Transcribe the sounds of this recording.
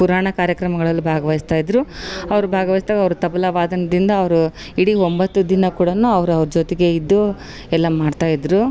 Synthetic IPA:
puɾaːɳɐkaːɾjɐkɾɐmɐɡɐɭɐlːubʱaːɡɐʋɐjist̪aːjid̪ɾuɐʋɐɾubʱaːɡɐʋɐjist̪aːɡɐʋɐɾut̪ɐbɐlɐʋaːd̪ɐnɐd̪ind̪ɐːʋɐɾu | iɽiombɐt̪ːud̪inɐkuːɽɐnuɐʋɐɾuɐʋɐɾud͡ʒot̪eɡe̞id̪ːu | ɛlːɐmaːɖt̪aːjid̪ɾu

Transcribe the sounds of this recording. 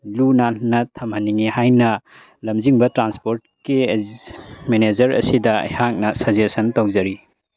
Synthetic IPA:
lunanɐtʰɐmhɐnːiŋihajnɐ | lɐmziŋbɐtɾanspoɾt̚ki | mened͡ʒɐɾɐ̰sidɐɐ̰jhak̚nɐsɐzesɐntɐwzɐɾi

